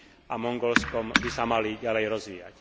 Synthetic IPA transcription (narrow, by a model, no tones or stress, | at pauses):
ʔamɔŋɡɔlskɔmbisamaliɟalɛjɾɔzʋiːja̰c